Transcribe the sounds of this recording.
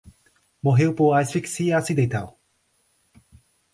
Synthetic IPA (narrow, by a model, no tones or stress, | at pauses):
moɦeopoajsfiksiasid̪ejt̪ao